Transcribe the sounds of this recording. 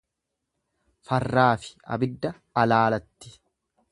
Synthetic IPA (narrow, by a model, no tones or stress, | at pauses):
fɐrːaːfɪ̥ɐ̰bɪd̪ːɐːlaːlɐt̪ːɪ̥